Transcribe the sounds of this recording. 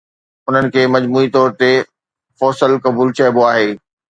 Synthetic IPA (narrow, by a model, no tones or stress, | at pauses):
ʊn̤ənɪ̆kʰeːmɐd͡ʑmuːit̪ɔːɾt̪e | fɔːsəlkɐbuːlt͡ɕɐːboaːɦeː